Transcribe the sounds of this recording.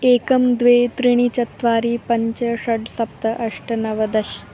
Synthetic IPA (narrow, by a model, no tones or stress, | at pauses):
ekɐmd̪ʋet̪ɾiɽ̃it͡ɕɐt̪ʋaːɾiːpɐɲt͡ɕɐʂɐɖsɐp̚t̪ɐʔɐʂʈɐnɐʋɐd̪ɐɕ